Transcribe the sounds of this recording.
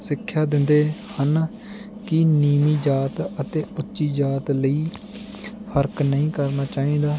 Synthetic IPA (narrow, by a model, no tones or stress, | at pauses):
sɪkʰːjaːd̪ɪnd̪eːhən | kɪniːmiːd͡ʒaːt̪ət̪eːʊtːʃiːd͡ʒaːt̪ləiː | pʰəɾknəĩːkəɾnaːt͡ʃaːĩːd̪aː